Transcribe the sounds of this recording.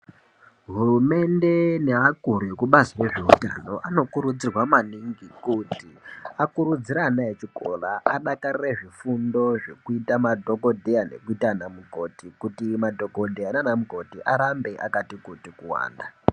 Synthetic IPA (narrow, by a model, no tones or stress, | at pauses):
ɦurume̞nde̞neakuɾekuɓaziwe̞ʐeuta̰no̞ʔano̞kuɾud͡zirwamaniŋɡikutiakuɾud͡ziɾanaet͡ʃiko̞̰laʔaɗakarireʐifundo̞ʐe̞kuitamadʱo̞ko̞dʱejane̞̰kuitanamuko̞tikutimadʱo̞ko̞dʱejananamuko̞tiʔaɾambe̞ʔa̰katikotikuwa̰ːnda